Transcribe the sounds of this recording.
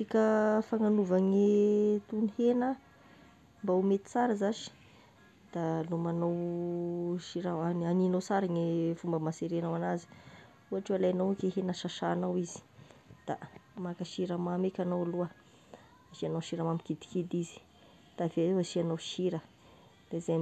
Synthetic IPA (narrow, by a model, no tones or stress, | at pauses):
t͡sikʲəfaŋanuvaŋit̪unihenə | mbaumet̪i̥t͡saɾəzaʃi̥ | d̪̥alumanow | ʃiɾaaaninowt͡saɾaŋifumbəmaseɾenawanazi̥ | uaʈ͡ʂoalajanawkeɦenəʃaʃaːnawizi̥d̪̥amakaʃiɾəmamekʲanowluə | aʃianowʃiɾamamikid̪i̥kid̪izi̥ | d̪̥aveaʃianowʃiɾə | d̪̥aizaj